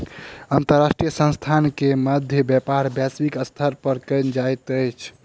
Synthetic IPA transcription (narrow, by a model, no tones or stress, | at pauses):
ənt̪əɾːasʈɾijəsə̃nst̪ʰankeməd̪ʱjəbjɛpaɾbjaswikəst̪ʰəɾpəɾkənd͡ʒajt̪əjt͡ʃʰ